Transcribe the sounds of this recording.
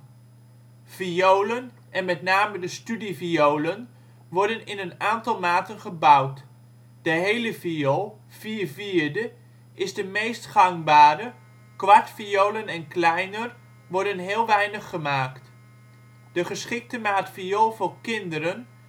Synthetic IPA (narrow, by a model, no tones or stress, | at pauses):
v̥iowlən | ɛnmɛtnaːmədəstydiviowlən | ʋɔɹdənɪnənaːntɑlˠmaːtənχəbʌwt | d̥əɦejləviolˠ | v̥iːviːɹdə | ʔɪzdəmejstχɑŋbaːɾə | kʋɑɹtfiowlənɛnklɛjnər | ʋɔɹdənɦɪːlˠʋɛjnəχːəmaːkt | d̥əχəsχɪk̚təmaːtfiolˠvʊːɹkɪndəɾən